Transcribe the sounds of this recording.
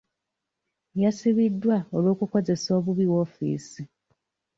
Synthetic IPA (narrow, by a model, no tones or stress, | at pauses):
jasiβidːwaolwo̞ːkuko̞ze̞so̞ːβuβiwo̞ːfḭːsi